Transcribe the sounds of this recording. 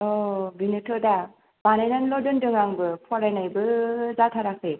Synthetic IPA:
ɔbinɯtʰɔda | banajnanlɔdɯndɯŋaŋbɯpʰɔɾajnajbɯzatʰaɾakɯ

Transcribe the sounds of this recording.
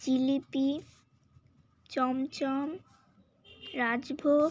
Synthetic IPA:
d͡ʑilipi | t͡ɕɔmt͡ɕɔm | ɾad͡ʑbʱo

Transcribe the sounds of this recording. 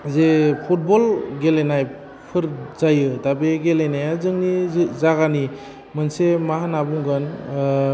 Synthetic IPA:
zepʰut̚bɔlɡelenaj | pʰɯɾzajɯdabeɡelenajazɯŋnizaɣani | mɯnsemaɦanabuŋɡɯn

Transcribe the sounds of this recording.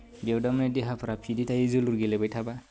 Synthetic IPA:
bewdamnedeɦapʰɾapʰiditajezoluɾɡelebajtʰaba

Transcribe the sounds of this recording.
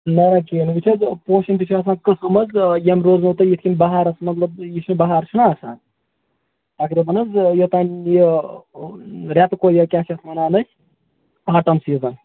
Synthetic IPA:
nɐɾɐkeːnʋit͡ʃʰɐzpoːʃint̪it͡ʃʰaːs̬aːnkɨsɨmɐzjɐmɾoːznɐwt̪ɐjit̪ʰkʲimʲbɐɦaɾɐsmɐt̪lɐbjit͡ʃʰinbɐɦaːɾt͡ʃʰunaːsa̰ːn | t̪ɐkɾiːbɐnɐzjot̪aːnji | ɾʲat̪ɨkojɐkʲasɐt̪ʰmɐnaːnɐsʲ | aːʈɐmsiːzɐn

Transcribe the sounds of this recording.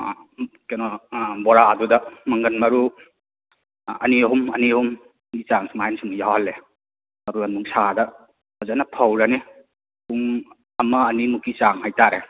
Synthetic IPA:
kenɔbɔɾaːdudɐmɐŋɡɐnmɐɾu | ɐ̰niɦumɐnihum | ɡit͡ʃaŋsuŋajnsuŋjawhɐlːe | mɐbuɐnuŋsadɐ | ɐzanɐpʰɐwɾani | uŋ | ɐmɐːnimukit͡ʃaŋhajtaɾe

